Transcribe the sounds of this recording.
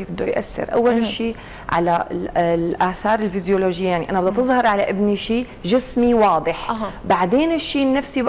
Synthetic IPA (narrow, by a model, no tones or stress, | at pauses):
ibɪd̪ːojʔa̰sːɪ̰ɾʔa̰wːalʃiː | ʕa̰lalʔaːθɑːɾˤɪlfɪzjoloːʒɪjːajaʕniʔanabɪd̪at̪ɨðˤhɑɾˤʕalaʔɪbniʃiː | ʒɪsmiwɑːd̪ˤɨħaɦbaʕd̪eːnɪʃːiːnːafsi